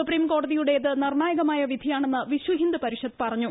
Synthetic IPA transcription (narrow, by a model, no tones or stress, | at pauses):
upriːmko̞ːɖɐðijuɽe̞iðɨnirɳaːjɐɣɐmaːjɐʋid̪ʱijaːɳe̞nːɨʋiɕwɐɦind̪ɨpɐɾiɕɐd̪pɐrɐɲːu